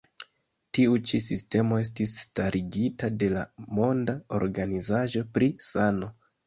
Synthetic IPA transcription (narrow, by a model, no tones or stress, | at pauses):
tiut͡ʃisiste̞mo̞e̞s̬tisːtaɾʔiɡitade̞lamo̞ndao̞̰ɾɡanizaʒo̞pɾisano̞